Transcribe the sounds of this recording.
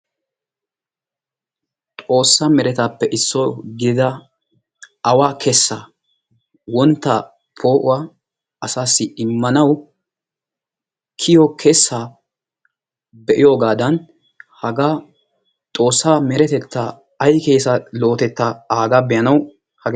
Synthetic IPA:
t̪ʼo̞ːsːamɛɾɛt̪aːpːɛʔɪsːɔɡɪd̪ɪd̪ɐ | ɐwaːkʰɛsːa | wɔnt̪ːɐ | pʰo̞ːʔʊwa | ɐsaːsːɪɪmːɐnɐw | kʰɪjɔkʰɛsːa | bɛʔɪjo̞ːɡaːd̪ɐn | hɐɡa | t̪ʼo̞ːsːaːmɛɾɛt̪ɛt̪ːa | ɐjkeːsɐlo̞ːt̪ɛt̪ːaaːɡabɛjɐnɐw | hɐɡ

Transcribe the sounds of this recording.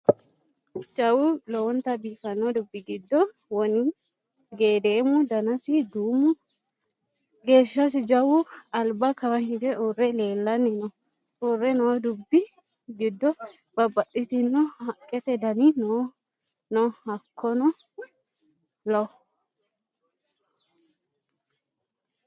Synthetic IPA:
d͡ʒɐwʊlɔwɔnt̪ɐbiːfɐnːɔd̪ʊbːɪɡɪd̪ːɔ | wɔn | ɡeːd̪eːmʊd̪ɐnɐsɪd̪uːmʊ | ɡeːʃːɐs̬ɪd͡ʒɐwʊɐlbakɐwɐnhɪd̪ɛʔʊrːɛle̞ːlːɐnːɪnɔ | ʊrːɛnɔd̪ʊbːɪ | ɡɪd̪ːɔ | b̥ɐbːɐt̪ʼːɪt̪ɪnːɔhɐkʼːɛt̪ɛd̪ɐninɔ | nɔhɐkʰːɔnɔ | lɔ

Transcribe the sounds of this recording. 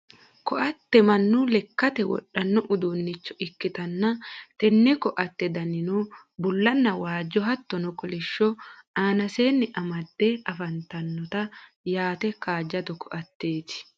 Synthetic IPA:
kɔʔɐt̪ːɛmɐnːʊlɛkːɐt̪ɛwɔ̰ᶑːɐnːɔʔʊd̪unːɪt͡ʃːɔʔɪkːɪt̪ɐnːɐt̪ɛnːɛkɔʔɐt̪ːɛd̪ɐnɪno | bʊlːɐnːɐwaːd͡ʒːɔɦɐt̪ːɔnɔkɔlɪʃːɔaːnɐseːnːɪʔɐmɐd̪̥ːɛɐfɐnt̪ɐnːɔt̪ɐ | jaːt̪ɛkaːd͡ʒːɐt̪ɔkɔʔɐt̪ːe̞ːt̪ɪ̥

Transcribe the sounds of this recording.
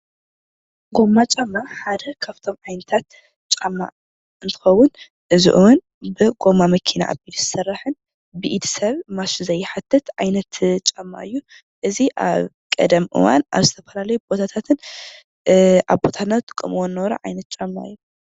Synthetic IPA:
ɡo̞mːat͡ʃʼɐmːaħad̪ɐkʰaβt̪ʰo̞mʕajnɐt̪ʰat̪ | t͡ʃʼamːa̰ | ʔɨnt̪ʰɨ̥xɐwːʊn | ʔɨzṵʔuwɨn | bɨɡo̞mamɐkʰina̰ʔa̰bid̪zɨsɐrːɨħɨn | bɨʔid̪ʰsɐβmaszɐjɪħat̪ʰːɨt̪ʕajnɐt̪t͡ʃʼamːa̰ʔɨjːu | ʔɨziʔa̰β | kʼɐ̰d̪ɐmʔɨ̰wa̰nʔa̰βzɨt̪ʰɐfɐlalɐjubo̞t̪ʰat̪ʰat̪ʰɨn | ʔaβbo̞t̪ʰanat̪ʼɨkʼɨmwonːɐwɾɐ̰ʕa̰jnɐt̪̚t͡ʃʼɐmːa̰ɨjː

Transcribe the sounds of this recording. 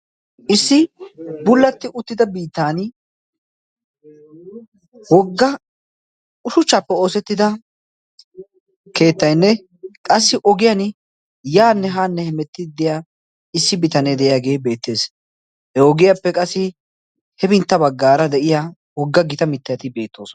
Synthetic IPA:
ʔɪsːɪbʊlːɐt̪ːɪʔʊt̪ːɪd̪ɐbiːt̪ːaːn | wɔɡːɐ | ʊʃʊt͡ʃːapːɛo̞ːsɛt̪ːɪd̪ɐ | ke̞ːt̪ːɐjnːɛ | kʼɐsːɪʔɔɡɪjɐn | jaːnːɛɦaːnːɛhɛmɛt̪ːɪd̪ɪjaː | ɪsːɪbɪt̪ɐneːd̪ɛʔɪjaːɡe̞ːbe̞ːt̪ːe̞ːs | hɛɔɡɪjapːɛkʼɐsːɪ | hɛbɪnt̪ːɐbɐɡːaːɾɐd̪ɛʔɪja | wɔɡːɐɡɪt̪ɐmɪt̪ːɐjɐt̪ɪbe̞ːt̪ːo̞ːsɔ

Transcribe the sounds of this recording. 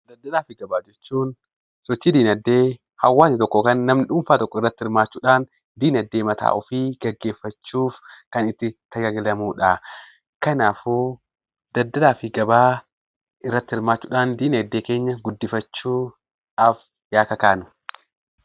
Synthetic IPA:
d̪ɐd̪ːɐlaːfɪɡɐbaːd͡ʒɛt͡ʃːuːn | sɔt͡ʃːiːd̪iːnɐd̪ːe̞ː | hɐwːaːsɪt̪ɔkːɔkɐnːɐmnɪᶑʊmfaːt̪ɔkːɔɪrːɐt̪ːɪhɪɾmaːt͡ʃːuːᶑaːn | d̪iːnɐd̪ːeːmɐt̪ʰa̰ːʔɔfiːɡ̥ɐɡːe̞ːfːɐt͡ʃːuːfkɐnɪt̪ːɪt̪ɐɡɐɡɪlɐmuːᶑaː | kɐnaːfuː | d̪ɐd̪ːɐd̪aːfɪɡɐbaː | ʔɪrːɐt̪ːɪhɪɾmaːt͡ʃːuːᶑaːnd̪iːnɐɐd̪ːe̞ːke̞ːɲːɐɡʊd̪ːɪfɐt͡ʃːuː | ʔɐf | jaːkɐkaːnʊ

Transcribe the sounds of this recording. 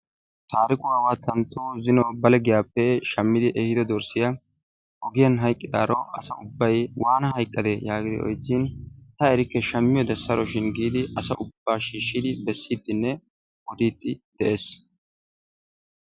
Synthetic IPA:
t̪aːɾɪkʼʊwaːwat̪ʰɐnt̪ʼːoːzɪnɔbɐlɛɡɪjaːpːɛʃɐmːɪd̪ɪʔɛhɪd̪ɛd̪ɔɾsɪja | ʔɔɡɪjɐnɦɐjkʼːɪd̪a̰ːɾɔʔɐsɐʔʊbːɐjwʔaːnɐɦɐjkʼːɐd̪ejaːɡɪd̪ɪ̰ɔ̰jt͡sːiːnh̪ɐɛɾɪkːɛʃɐmːɪjɔd̪ɐsɐɾʔɔʃɪnɡiːd̪ɪʔɐsɐʔʊb̥ːaːʃiːʃːɪd̪ɪbɛsːiːd̪ːɪnːɛ | ɔd̪iːt̪ːɪd̪̥ɛʔeːs

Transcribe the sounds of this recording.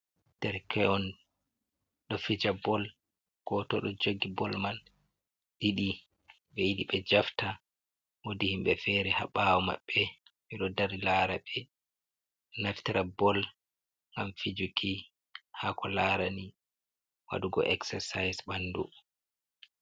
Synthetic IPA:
d̥ɛɾkɛɔn | ɗɔfid͡ʒabɔl | ɡ̥ɔtɔɗɔd͡ʒoɡibɔlman | ɗiɗi | ɓeɗiɓɛd͡ʒafta | wodihimɓɛfɛɾɛha̰ɓawɔma̰ɓːɛmiɗɔdaɾilaɾaɓɛ | naɾtiɾabɔl | ŋɡamfid͡ʒukʰi | hakɔlaːɾani | wa̰ɗuɡɔ̰ʔɛksɛsajsbandu

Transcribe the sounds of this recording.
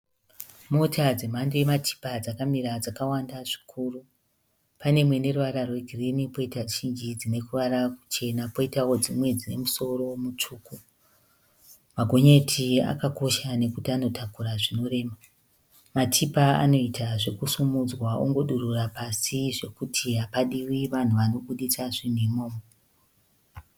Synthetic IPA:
motʰad͡ze̞m̤andejematʰi̥pad͡zakamiɾad͡zakawandaʐi̥kʰuːru | pane̞mwe̞neruʋaɾarwe̞ɡʱirinipo̞itaʃind͡ʒid͡zine̞kuʋaɾaku̥t͡ʃe̞napo̞itawo̞d͡zimwe̞d͡zine̞muso̞ro̞mut͡ʂuːku | maɡʱo̞ɲetʰia̰kako̞ʃane̞kutiano̞tʰakuɾaʐino̞re̞ːma | matʰipaa̰no̞itʰaʐe̞kusumud͡zwao̰ŋɡo̞ɗururapasiʐe̞kutʰiɦapaɗiwiʋan̤uʋano̞ɓuɗit͡saʐinemoːmo

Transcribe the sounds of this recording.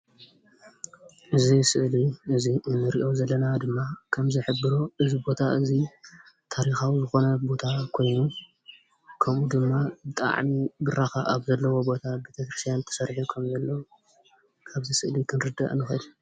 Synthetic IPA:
ʔɨzisɨʔliʔɨziɨnːɨɾiʔo̞zɐlːɐnad̪ɨmːakʰɐmzɨħɨbːɨɾoʔɨzibo̞t̪ʰaʔɨzi | t̪ʰaɾixawizɨxo̞nɐbo̞t̪ʰakʰo̞jnu | kʰɐmʔud̪ɨmːabɨt̪ʼa̰ʕmiɡɨɾaxaʔaβzɐlːɐwo̞bo̞t̪ʰabet̪ʰɐkɾɨst̪ʰijant̪ʰɐ̥sɐɾħukʰɐmzɐlːɐw | kʰaβzisɨʔlikʰɨnɾɨd̪ɐ̰ʔʼnɨxɐd̪u

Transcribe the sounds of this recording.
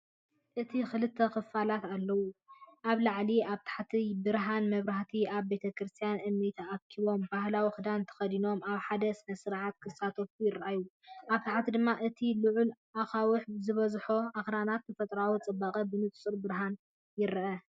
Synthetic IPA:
ʔɨt̪ʰixɨlɨt̪ʰːɐxɨfalat̪alːɐwuʔaβlaʕliaβt̪ʰḁħat̪ʰibɨɾɦanmɐβɾaht̪ʰiaβbe̞t̪ʰɐkɾɨst̪ʰijanʔɨmːit̪ʰaʔːkʰiβo̞mbahlawixɨd̪ant̪ʰɐ̥xɐd̪ino̞maβħad̪ɐsmɐsɨɾʕat̪̚kʰɨsat̪ʰofujɪɾʔaju | ʔaβt̪ʰaħat̪ʰid̪ɨmːaʔɨt̪ʰilɨʕʊlʔaxawʊħzɨβɐzħoaxɾanat̪̚ːɐfɐt̪ʼɾawit͡sʼɨbːakʼɐbɨnɨt̪ʼt͡sʼuɾbɨɾɦan | jɪɾʔɐ

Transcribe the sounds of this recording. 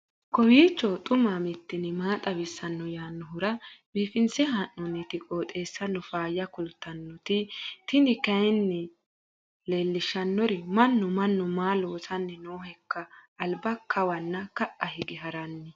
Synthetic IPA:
kɔwiːt͡ʃːɔt̪ʼʊmaːmɪt̪ːɪnɪmaːt̪ʼɐbɪsːɐnːɔjaːnːɔɦʊɾɐbiːfɪnsɛɦɐnːɔnːɪt̪ɪkʼoːt̪ʼe̞ːsːɐnːɔfaːjːɐkʊlt̪ːɐnːɔt̪ɪt̪ɪnɪkɐjɛnːɛ | le̞ːlːɪʃɐnːɔɾɛmɐnːʊmɐnːɔmaːloːsɐnːɛnoːɦɛkːɐːlbɐkʰɐwɐnːɐkɐʔɐhɪɡɪɦɐɾɐnːɛ

